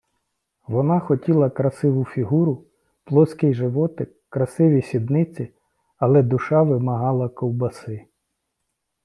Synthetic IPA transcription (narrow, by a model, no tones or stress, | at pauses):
ʋɔnɑxɔtʲilˠɐkɾɐsɪʋʊfʲiɦuɾʊ | plˠɔskɪjʒɪʋɔt̪ɪkkːɾɐsɪʋʲisʲid̪nɪt͡sʲi | ɐlˠɛd̪ʊʃɑʋɪmɐɦɑlˠɐkɔwbɐsɪ